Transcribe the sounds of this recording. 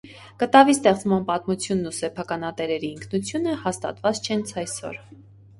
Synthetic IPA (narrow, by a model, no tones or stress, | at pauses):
kət̪ɑvist̪ɛχt͡smɑnpɑt̪mut͡sʰjunːusɛpʰɑkɑnɑt̪ɛɾɛɾiːŋkʰnut͡sʰjunəhɑst̪ɑ̰t̪vɑt͡st͡ʃʰɛnt͡sʰɑjsɔ̰ɾ